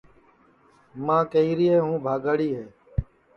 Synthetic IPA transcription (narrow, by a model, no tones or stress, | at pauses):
mãːkəiːɾɪeːɦũːbʱaːɡaːɽiːɦeː